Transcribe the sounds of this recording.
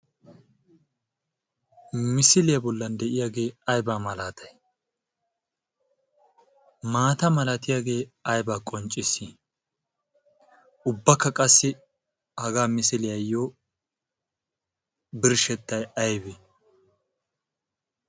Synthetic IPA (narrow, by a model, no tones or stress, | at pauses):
mɪsɪlɪjɐbɔlːɐnd̪ɛʔɪjaːɡe̞ːɐjbaːmɐlaːt̪ʰɐj | maːt̪ɐmɐlat̪ɪjaɡe̞ːɐjbaːkʼɔnt͡ʃʼɪsi | ʔʊbːɐkːɐkʼɐsːɪ | hɐɡaːmɪsɪlɪjɐjːoː | bɪɾʃɛt̪ːɐjɐjbɪ